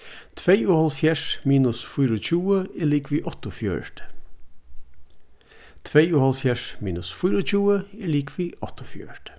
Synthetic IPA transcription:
t̪ʰʋeɪoːhɑlfjæʂmiːnʊsfʊːɾoːc͡çuːəɛɭiːkʰʋiːʔɔt̪ʊfjø̰ːɹʈ | t̪ʰʋeɪoːhɑlfjæʂmḭːnʉsfʊːɾoc͡çuːəɛːliːkʰʋiːʔɔt̪ʊfjø̰ːɹʈ

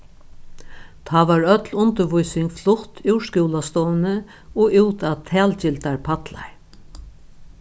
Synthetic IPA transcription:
t̪ʰaːʋaɹœt̪lʊnt̪əɾʋʊjsɪŋkflʊht̪ʰɪwʃkuːlast̪ɔːnə | ɔʔɪwt̪at̪ʰæːlt͡ɕɪlt̪aɹpʰat̪la̰ɹ

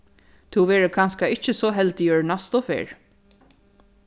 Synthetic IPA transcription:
t̪ʰuwʋɛːɹəkʰanskaɪht͡ʃəsɔɦɛlt̪ɪjœɹnast̪ɔfɛ̰ːɹ

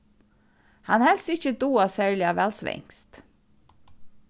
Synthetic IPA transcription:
hɑnhɛlsɪçəd̪uːɑsæːɹɭɪɑʋælsʋɪ̰ŋst̪

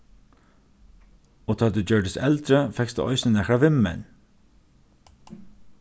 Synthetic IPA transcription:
oːt̪ʰɑːld̪ʉd͡ʒœːɖəsɛld̪ɾəfɛkst̪ə̰ʔɔʏsnənɛkɾaʋɪmːɛ̰n

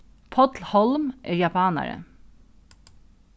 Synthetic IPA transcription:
pʰɔt̪lhɔlmʔḛːɹjɑpʰɑːna̰ɹə̰

